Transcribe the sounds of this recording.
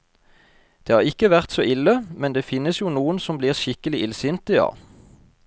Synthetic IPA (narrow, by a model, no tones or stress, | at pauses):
d̪̥eːɑːʁɪkəʋæʁt̪soːʔɪləmɛnd̪eːfɪnːəsjuːnuːənsɔmbliːʁʃɪkəlɪʔɪlsɪnt̪ɪɑ̰ː